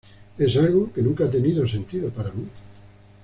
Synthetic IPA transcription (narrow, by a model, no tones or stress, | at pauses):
esalɣokenũŋkaat̪̬e̞niðo̞sẽ̞nt̪iðopaɾami